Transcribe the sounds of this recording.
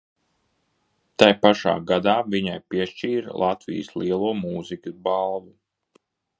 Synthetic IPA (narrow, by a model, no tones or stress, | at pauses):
t̪ajpaʃa̰ːɡad̪aːviɲajpiɛʃt͡ʃiːɾlˠat̪vḭjsliɛlˠuɔmuːzikʲubalˠvu